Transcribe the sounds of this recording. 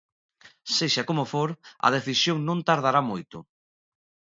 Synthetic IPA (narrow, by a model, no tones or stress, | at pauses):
seʃakomofoɾɐ̰ð̞eθisjoŋnõnt̪aɾð̞aɾamojt̪ʊ